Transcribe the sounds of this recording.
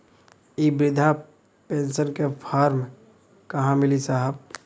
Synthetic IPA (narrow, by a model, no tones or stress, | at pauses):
ibɾɪd̪ʱa | pẽːnsənkepʰaːɾm | kɐɦãmɪlisaɦəb̚